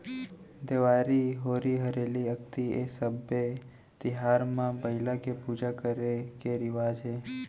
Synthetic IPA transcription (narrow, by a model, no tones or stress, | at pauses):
d̪eʋaɾiɦoɾiɦəɾeliəkt̪iesəbe | t̪ɪɦaɾmãbəɪlakepud͡ʒakəɾekeɾɪʋad͡ʒe